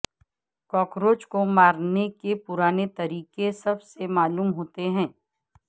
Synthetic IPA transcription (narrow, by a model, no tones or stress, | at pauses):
kɔːkɾoːt͡ʃkomaːɾnekepʊɾaːnet̪ɐɾiːkesɐbsemaːluːmɦoːt̪eɦɛ̃ː